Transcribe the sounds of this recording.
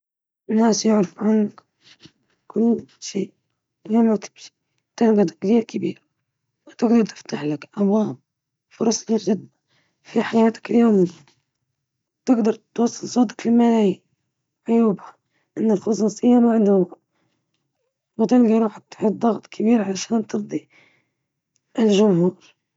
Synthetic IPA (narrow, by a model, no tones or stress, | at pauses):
ʔɪnːaːsjʊʕɾɪfʕanːak | kʊlːʃiːʔ | jaːmat̪ʰɪ̥bʃi̥ | t̪ɪlɡat̪kt̪iːɾkabiːɾ | wat̪ɪɡd̪ɑɾˤt̪ɪ̥ft̪aħlakʔɑbwaːm | fʊɾˤɑsˤːʒɪd̪ːa | fiħajaːt̪ḁkɪljoːm | t̪ɪɡd̪ɑɾˤt̪wɑsˤːɨlsˤoːd̪akfilmalji | ʕʊjuːbha | ʔɪnːalxʊsˤuːsˤɨjːanwʕɪd̪ʊma | wat̪ɪlɡiɾuːħt̪ħid̪ˤɑɣt̪ˤkʰabiːɾʕalaʃaːnt̪ɨɾd̪ˤi | ʔɪlʒʊmhuːɾ